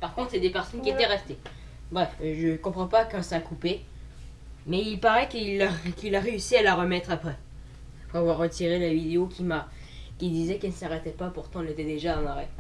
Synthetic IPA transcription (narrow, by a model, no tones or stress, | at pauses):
paʁkɔ̃t̪χsɛd̪epɛʁsɔnkʲiet̪ɛʁɛst̪e | bʁɛfʒəkɔ̃pχɑ̃pakɛ̃sakupe | mɛilpaʁɛkilakʲilaʁeysialaʁəmɛt̪χapχɛ | foavwaʁːət̪iʁelavid̪eokʲima | kʲid̪izɛkɛlnəsaʁɛt̪ɛpapuʁt̪ɑ̃ɛlet̪ɛd̪eʒad̪ɑ̃laʁɛ